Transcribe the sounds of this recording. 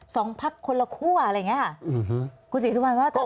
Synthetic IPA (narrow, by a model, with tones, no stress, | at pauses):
sɔː˩˦ŋpʰa˦˥kʰːo˧nla˧kʰu˥˩ɐʔa˧jŋi˦˥˩ɦkʰuː˧s̬iː˨˦u˦˩ma˧nwaː˦˥˩